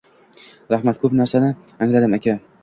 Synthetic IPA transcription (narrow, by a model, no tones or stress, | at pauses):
ɾahmat̪̚kʰɵpnaɾsanɪ | aŋlad̪ɪmakʲa